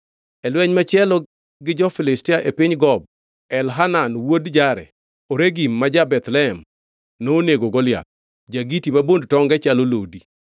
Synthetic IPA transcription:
ɛlwɛɲmat͡ʃɪɛlɔ | ɡɪd͡ʒɔfɪlɪstɪaʔepɪɲɡɔb̚ | ɛlɦananwodd͡ʒaɾɛ̰ | oɾeɡimːad͡ʒabɛt̪lɛɛm | noːneɡoɡɔlja̰ | d͡ʒaɡitimabondtɔŋɡɛt͡ʃalolodi

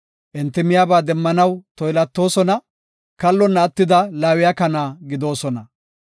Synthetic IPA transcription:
ʔɪnt̪ːɪmɪjaːbaːd̪ɛmːɐnɐwt̪ɔjlɐt̪ːo̞ːsɔnɐ | kɐlːɔnːɐːt̪ːɪd̪ɐlaːwɪjakɐnaːɡɪd̪o̞ːsɔnɐ

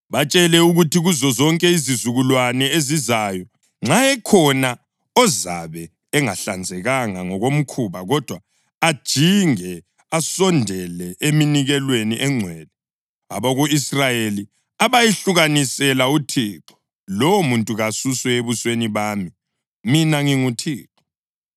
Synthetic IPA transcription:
βat͡ʃʼɛlɛuɣutʰiɣuzɔzɔŋkʼɛizizuɣulwanɛezizajɔ | ŋ͡ǁajɛkʰɔna | ɔza̰βɛː | ŋaɬand͡zʱɛɣaŋaŋɔɣom̩kʰuːβaɣɔd̥ʱwaː | d̥ʒ̥ʱiŋɛ | asɔndʱɛlɛʔeminiɣɛlweniʔɛŋ͡ǀʱwɛːlɛ | aβɔɣuisrajeli | aβajiɬuɣanisɛlautʰiːǁɔ̥ | lɔwɔmuntʼuɣasuswɛeβusweniβaːmi | minaŋiŋutʰiːǁɔ̥

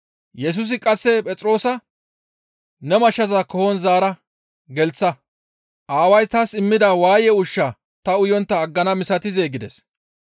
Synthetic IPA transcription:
jɛs̬ʊs̬ɪkʼɐsːɛpʼɛt͡sʼɾo̞ːsɐ | nɛmɐʃːɐzakɔhɔnzaːɾɐ | ɡɛlt͡sːɐ | ʔaːwɐjt̪ɐsɪmːɪd̪ɐwaːjɛʊʃːa | t̪ɐʊjɔnt̪ːɐːɡːɐnɐmɪsɐt̪ɪzeːɡɪd̪ɛs

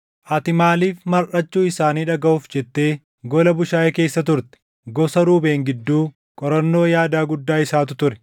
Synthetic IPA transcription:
ʔɐt̪ɪmaːliːfmɐɾʔɐt͡ʃːuːɪsaːniːᶑɐɡɐʔʊːfd͡ʒɛt̪ːe̞ː | ɡɔlɐbʊʃaːɛke̞ːsːɐt̪ʊɾt̪ɛ̥ | ɡɔsɐɾuːbe̞ːŋɡɪd̪ːuː | kʼɔɾɐnːo̞ːjaːd̪aːɡʊd̪ːaːɪsaːt̪̬ʊt̪ʊɾɛ̥

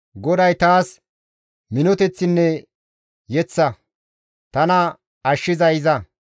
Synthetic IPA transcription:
ɡɔd̪ɐjt̪aːs | mɪnɔt̪ɛt͡sːɪnːɛ | jɛt͡sːɐ | t̪ɐnɐ | ɐʃːɪzɐjɪzɐ

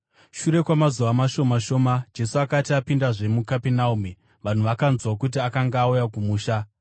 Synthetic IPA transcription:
ʃuɾe̞kwamazuʋamaʃo̞maʃo̞ːmad͡ʒe̞suakatiapindaʐe̞mukapenaumi | ʋan̤uʋakanzwakut̬iakaŋɡaːujakumuːʃa

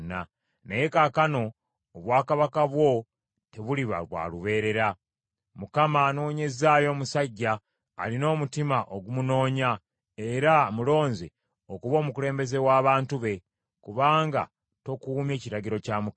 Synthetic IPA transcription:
nːa | neje̞kakano̞ː | βwaːkaβakaβwo̞ | te̞βuliβa̰ɾwa̰ːluβe̞ːɾe̞ɾa | mukamanoɲe̞zaːjo̞ːmusaɟːa̰ː | lino̞ːmutimaʔoɡumuno̞ːɲa | e̞ɾamulo̞ːnze | okuβo̞ːmukule̞ːmbe̞ze̞waːβaːntuβe̞ | kuβaːŋɡa̰ | to̞kuːmje̞ːciɾaɟiɾo̞caːmu

